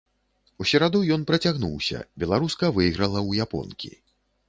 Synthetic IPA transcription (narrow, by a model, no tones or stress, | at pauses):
usʲɛɾad̪ujɔnpɾɐt͡sʲaɣnuwsʲɐ̰bʲɛlˠaɾuskɐvɨjɣɾɐlˠɐwjapɔ̰nkʲḭ